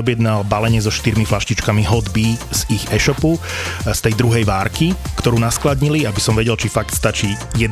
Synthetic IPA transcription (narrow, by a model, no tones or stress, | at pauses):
ɔbjɛd̪nalbalɛɲɪɛzɔʃt̪iɾmiflaʃcit͡ʃkamiɦɔd̪biz̥iɣɛʃɔpust̪ɛjd̪ɾuɦɛjʋaːɾkikt̪ɔɾuːnasklad̪ɲiliabisɔmʋɛɟɛlt͡ʃifakt̪st̪at͡ʃijɛd̪